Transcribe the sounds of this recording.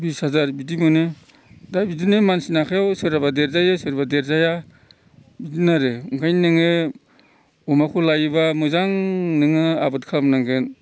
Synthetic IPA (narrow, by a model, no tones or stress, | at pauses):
bisazaɾbidimɯnɯ | dabidinɯmansinakʰajawsɯɾabadeɾzajɯsɯɾbadeɾzaja | bidinaɾɯɯŋkʰajnɯŋɯ | ɔmakʰulajibamɯzaŋnɯŋɯabɯt̚kʰalmnaŋɡɯn